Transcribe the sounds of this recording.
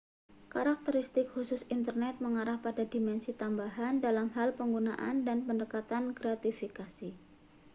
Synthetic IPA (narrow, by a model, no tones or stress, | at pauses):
kaɾak̚t̪əɾist̪ɪkhusʊsint̪ərnɛt̪̚məŋaɾahpadadimɛnsit̪ambaɦandalamɦalpəŋɡunaʔa̰ndanpəndəkat̪ankɾat̪ifikasi